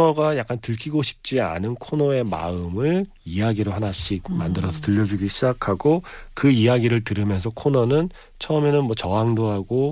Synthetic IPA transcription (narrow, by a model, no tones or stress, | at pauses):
ʌɡajak͈antɯɭkʰiɡoɕʰi̥p̚t͡ɕ͈ia̰nɯnkʰonʌe̞ma̰ɯmɯɭ | ijaɡiɾoɦanaɕʰik̚mandɯɾʌsʰʌtɯʎːʌd͡ʑuɡiɕʰid͡ʑakʰaɡokɯijaɡiɾɯɭtɯɾɯmjʌnsʰʌkʰonʌnɯn | t͡ɕʰʌɯmenɯnmwʌt͡ɕʌɦaŋdoɦaɡo